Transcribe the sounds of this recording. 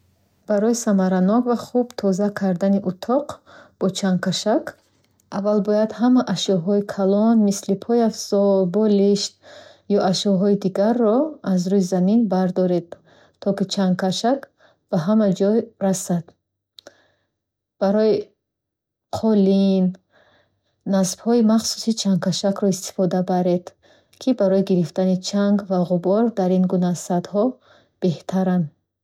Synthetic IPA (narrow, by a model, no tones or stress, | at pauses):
b̥aɾɔjisamaɾanɔkvaχubt̪ʰɔzakʰaɾd̪aniʔut̪ʰɔqb̥ɔt͡ʃʰankʰaʃak | avalbɔjad̪hamaʔaʃɔɦɔikʰalɔnmislipʰɔjafsɔlbɔliʃt̪ | jɔʔaʃɔɦɔid̪iɡaɾːɔazɾujizaminbaɾd̪ɔɾed̪̥̚ | t̪ʰːɔkit͡ʃʰankʰaʃak | b̥aɦamad͡ʒɔjɾasad̪̥ | b̥aɾɔji | qʰɔlin | asb̥hɔimaχsu̥sit͡ʃʰaŋkaʃakɾɔist̪i̥fɔd̪abaɾe̞d̪̥ | kʰibaɾɔjiɡiɾift̪anit͡ʃʰaŋɡvaʁubɔɾd̪aɾinɡunasad̪hɔ | b̥e̞ht̪ʰaɾan